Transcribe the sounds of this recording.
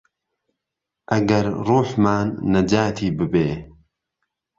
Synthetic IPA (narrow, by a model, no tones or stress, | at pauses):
ʔɐɡɐɾruːħmaːnːɐd͡ʒaːt̪ʰiːbɨbeː